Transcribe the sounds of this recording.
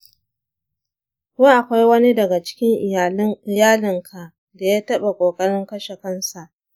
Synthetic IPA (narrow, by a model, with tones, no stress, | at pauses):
wa˦ʔa˨kʷa˦jwɐ˦ni˦dɐ˨ɡa˨t͡ʃɪ̥˦kʲɪ˦ŋʔɪ˨ja˨˦ʔɪ˨jaː˦lɪ˨ŋkʰa˨ | da˨jaː˦tɐ˦ɓa˨kʷʼoː˨kʼɐ˦ɽɪ˦ŋkɐ˦ʃe˨kɐ˦nsa˨ʔ